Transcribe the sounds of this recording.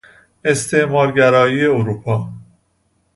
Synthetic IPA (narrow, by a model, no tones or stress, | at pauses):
e̞st̪ʰe̞ʔmɒːɾɟæɾɒːjiːe̞oɾuːpʰɒː